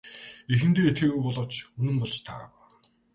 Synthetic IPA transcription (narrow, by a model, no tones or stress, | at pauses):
exɘ̆nt̪eːet̪xiːɣujpɔɮɞ̆w̥t͡ɕɵnɘ̆mpɔɮt͡ɕt̪ʰa̰ːw